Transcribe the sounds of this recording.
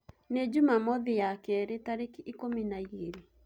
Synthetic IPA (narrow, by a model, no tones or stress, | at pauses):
ned͡ʒumamɔðijakɛɾetaɾekiʔikominaiɣeɾi